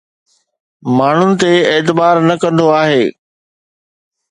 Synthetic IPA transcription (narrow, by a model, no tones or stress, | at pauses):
maːɳ̤ʊnɪ̆t̪eeːt̪̬ɪbaːɾnɐkɐ̃nd̪oaːɦeː